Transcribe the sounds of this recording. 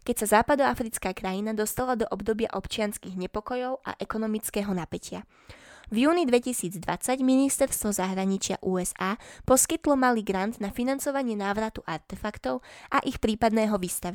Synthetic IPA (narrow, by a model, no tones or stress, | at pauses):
kɛcsazaːpad̪ɔafɾit͡skaːkɾajinad̪ɔst̪alad̪ɔʔɔbd̪ɔbɪa̰ʔɔpt͡ʃɪanskiɣɲɛpɔkɔjɔʊʔa̰ʔɛkɔnɔmit͡skɛːɦɔnapɛcɪa | vjuːnid̪ʋɛcisiːd͡zd̪ʋa̰t͡saɟminist̪ɛɾst̪ʋɔzaɦɾaɲit͡ʃɪa̰ʔuːɛzaːpɔskit̪lɔmaliːɡɾand̪nafinant͡sɔʋaɲɪɛnaːʋɾat̪uʔaɾt̪ɛfakt̪ɔʊʔaʔixpɾiːpad̪nɛːɦɔʋiːst̪aʋi